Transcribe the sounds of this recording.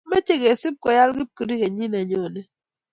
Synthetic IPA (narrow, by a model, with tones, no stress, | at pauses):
me˦t͡ʃe˦ɡe˨si˦p̚kɔ˨ja˦lɡi˦p̚ki˨ɾi˦ke˨ɲi˦na˨ɲɔ˨nɛ˨